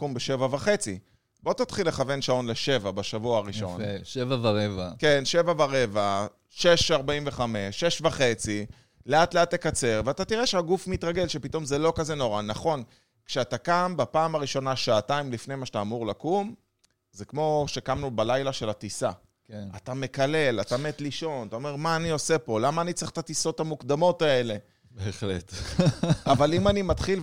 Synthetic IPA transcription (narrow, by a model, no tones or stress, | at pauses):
kumbeʃe̞vavaχe̞t͡si | bo̞t̪at̪χilːe̞χave̞nʃao̞nle̞ʃe̞vabaʃavuaaʁiʃʃo̞n̰nʃevavaʁevake̞nʃe̞vavaʁe̞va | ʃe̞ʃaʁbaimve̞χame̞ʃːe̞ʃvaχe̞t͡si | le̞at̪le̞atːe̞kat͡se̞ʁveatat̪iʁe̞ʃeaɡufmit̪ʁaɡe̞lʃepito̞mzelo̞kaze̞no̞ʁanaχo̞n | kʃeat̪akambapaːmaʁiʃo̞naʃaːtaimlifne̞jmaʃtaːmuʁlakum | zekmo̞ʃekamnubalajlaʃe̞lat̪isa̰ | kat̪ame̞kale̞lat̪ame̞t̪liʃo̞nt̪aome̞ʁmaːnio̞se̞po̞lamaːnit͡seχtat̪iso̞t̪hamukd̪amo̞t̪ae̞le̞ | beːχlḛt̪ | avalimanimat̪χil